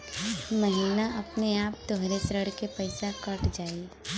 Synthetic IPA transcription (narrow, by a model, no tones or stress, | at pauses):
mɐɦiːnaʔɐpneaːp̚t̪oɦɾesɾəɽkepɐɪsakɐʈd͡ʒaːi